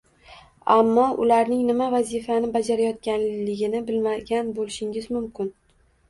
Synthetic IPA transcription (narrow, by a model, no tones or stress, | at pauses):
amːɒʔʊ̰laɾnɪŋnɪmavazɪfanɪbad͡ʒaɾajɒt̪̚kʲanlɪɡʲɪnɪbɪlmaɡʲanbolɪʃɪŋɪzmʊmkʲʰɪn